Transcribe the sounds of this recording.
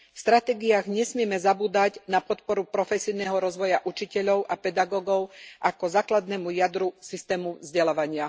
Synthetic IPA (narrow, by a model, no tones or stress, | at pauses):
fst̪ɾat̪ɛːɡiaːɣɲɛsmɪɛmɛzabuːd̪aɟnapɔt̪pɔɾupɾɔfɛsijnɛːɦɔɾɔzʋɔjaʔut͡ʃicɛʎɔʊʔapɛd̪aɡɔːɡɔʊʔakɔzaːklad̪nɛːmujad̪ɾusist̪ɛːmuzɟɛlaːʋaɲɪa